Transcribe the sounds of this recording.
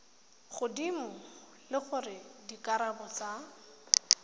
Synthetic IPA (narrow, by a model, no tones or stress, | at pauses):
χʊdimʊ | lɪχʊrɪdikʼaɾabɔt͡sa